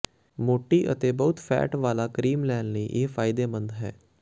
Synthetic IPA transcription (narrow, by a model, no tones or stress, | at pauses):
moːʈːiːʔət̪eːbəʊt̪fʰɛ̰ːʈʋaːlaːkɾiːmlɛːnləiːʔeːfʰaːɪd̪eːmə̃nd̪ɦɛ̰ː